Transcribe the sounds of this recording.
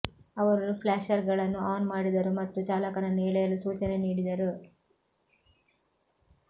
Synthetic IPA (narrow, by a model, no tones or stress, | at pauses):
ɐʋɐɾɐnupʰlaːʃɐɾɡɐɭɐnːuaːnmaːɽid̪ɐɾumɐt̪ːut͡ʃaːlɐkɐnɐneːɭɛjɐlːusuːt͡ʃɐne̞niːɽid̪ɐɾu